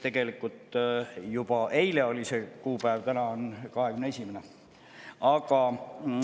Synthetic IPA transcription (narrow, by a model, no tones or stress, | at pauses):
t̪e̞ɡ̥e̞likːˑult̪jub̥ɑʔe̞jle̞o̞lʲise̞kuːpæevt̪ænɑonkɑɦekymneesʲimene | ɑɡ̥ɑ